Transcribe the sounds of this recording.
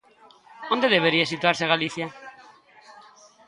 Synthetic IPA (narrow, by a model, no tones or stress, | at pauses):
õnd̪eðeβ̞eɾiasit̪uaɾseaɣaliθja